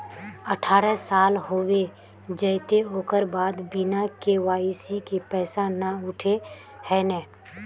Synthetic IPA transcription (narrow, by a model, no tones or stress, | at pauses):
əʈʰaːɾəsaːlɦoːwe | d͡ʒəɪt̪eoːkəɾbaːd̪bɪnakeʋaːisikepɛːsanaʊʈʰe | hɛːnɛ̃ː